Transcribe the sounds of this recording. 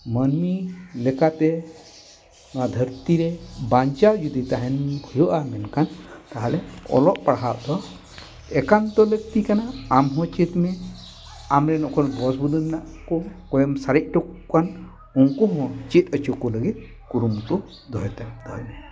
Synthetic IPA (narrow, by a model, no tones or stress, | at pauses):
mənmilɛkat̪ɛ | nɔwad̪ʱəɾt̪iɾɛbaɲt͡ʃad͡ʒud̪it̪aɦɛnbʱujoʔamɛnkant̪aɦalɛɔ̰lɔʔpaɽɦaʔ̚d̪ɔ | ɛkant̪ɔləɡ̚t̪ikanaːmɦɔ̃t͡ʃit̪mɛ | amɾɛnɔkʰɔnbɔsbud̪unːaʔkɔkɔjɔmsaɾɛʔ̚ʈɔkkːan | uŋkɔɦɔ̃t͡ʃit̪ət͡ʃukɔləɡit̪̚ | kuɾumt̪ɔ | d̪ʱɔjt̪ad̪ʱɔjmɛ